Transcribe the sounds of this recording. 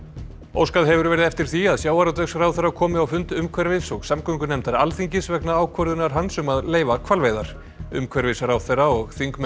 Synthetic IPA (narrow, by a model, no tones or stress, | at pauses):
o̰wskaðɦɛvʏɾvɛːɾɪðɛft̪ɪɾ̥θiaðsjaːwaɾawt̪ɛksaɾawθerːakʰɔːmɪawfʏnt̪ʏmkʰvɛɾvɪsɔɣsamkʰœŋkʏnɛmt̪aɾalθiŋcɪsvɛknaaːwkʰvœɾðʏnaɾ̥ɦansʏmaðleːjvakʰvaɾlveːjðaɾ̥ | ʏ̰mkʰvɛɾvɪsaɾawθeːrːaɔɣθiŋkm